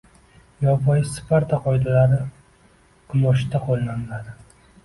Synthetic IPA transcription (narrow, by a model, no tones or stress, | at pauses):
jɒvɒjsɪ̥paɾt̪ʰaqɒjd̪alaɾɪ | qʰɨmɒʃd̪aqʰolˠːanlad̪ɪ